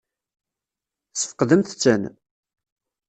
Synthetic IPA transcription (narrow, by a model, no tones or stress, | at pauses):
sə̥fə̥qðəmθt͡sːən